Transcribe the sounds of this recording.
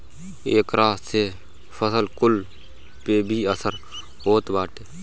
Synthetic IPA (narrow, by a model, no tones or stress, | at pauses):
eːkɾaːse | fʰəsəlkʊl | pebʱiəsəɾ | ɦoːt̪baːʈeː